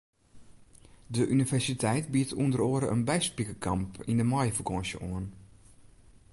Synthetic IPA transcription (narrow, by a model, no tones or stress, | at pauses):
dəʔynivɛrsitʰɛjtbiətʰundəroːəɾəə̰nbɛjspikəkʰampḭndəmɔjəfərkɔnsjə̰ʔuən